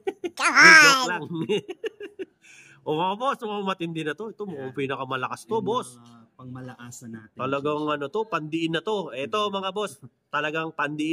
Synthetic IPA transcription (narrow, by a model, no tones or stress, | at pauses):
iaklaŋ | ʔomɐabosnʊmmɐt̪ɪnd̪ɪnɐt̪o̞ɛt̪omɐopinɐkɐmɐlɐkast̪o̞bosɐɡmɐlɐʔaːsɐnaːt̪t̪ɐlɐɡaŋɐno̞t̪o̞pɐnd̪ɪʔɪnːɐt̪o̞ʔɛt̪o̞mɐŋabo̞s | t̪ɐlɐɡaŋpɐnd̪ɪʔɪ